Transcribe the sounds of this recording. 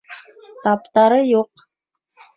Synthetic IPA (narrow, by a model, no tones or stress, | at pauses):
t̪ɑpt̪ɑɾəjoq